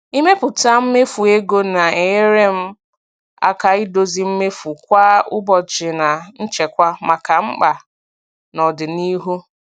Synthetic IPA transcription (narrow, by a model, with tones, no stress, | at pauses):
i˦me˦pʊ˨ta˦m̩˦me˦fu˨e˦ɡo˦na˨e˨˦ɾe˦m̩˦ | a̰˦ka˨i˦do˦zi˦m̩˦me˦fu˨kʷa˦ʊ˦bɔ˨t͡ʃɪ˨na˨n̩˦t͡ʃe˨kʷa˦ma˨ka˨ŋ͡m̩˦k͡pa˨ | nɔ˨dɪ˨ni˦ɦu˦